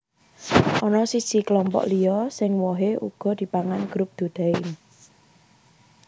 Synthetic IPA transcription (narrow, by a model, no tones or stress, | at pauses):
ʔɔnɔsisiklɔmpɔ̰ʔlijɔsɪŋwɔɦeʔṵɡ̥ɔ̤d̪̥i̤paŋanɡ̥ɾʊp̚d̪̥ṳd̪̥aɪn